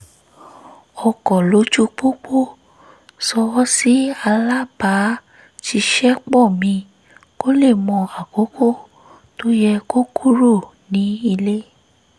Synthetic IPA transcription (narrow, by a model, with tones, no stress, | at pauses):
ɔ˧˨kɔ˨lo˨˦d͡ʒu˦k͡po˦k͡po˦˨ | sɔ˧wɔ˦si˦a˧la˦ba˨˦ | ti˧ʃɛ˦k͡pɔ˦˨mĩ˧ | ko˦le˦˨mɔ̃˧a˨ko˨˦ko˦˨ | to˦jɛ˧ko˦kʰu˦ɾo˦˨ | nĩ˨˦i˧le˦